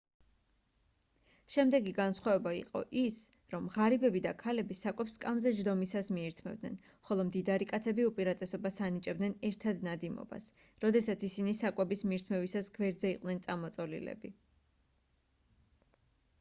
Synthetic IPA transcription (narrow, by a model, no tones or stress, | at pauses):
ʃɛmd̪ɛɡiɡansχwavɛbaḭqʼɔ̰ʔis | ɾɔmʁaɾibɛbid̪akʰalɛbisakʼwɛpskʼamzɛʒɾd̪ɔmisasmiɛɾt̪ʰmɛ̰vd̪nɛ̰n | χɔlˠɔmd̪id̪aɾikʼat̪sʰɛbiupʼiɾat̪ʼɛsɔbasanit͡ʃʼɛbd̪nɛnɛɾt̪ʰad̪nad̪imɔ̰ba̰s | ɾɔd̪ɛsat̪sʰisinisakʼwɛbismiɾt̪ʰmɛvisasɡvɛɾd̪zɛiqʼwnɛnt̪sʼamɔt̪sʼɔlḭlɛ̰bi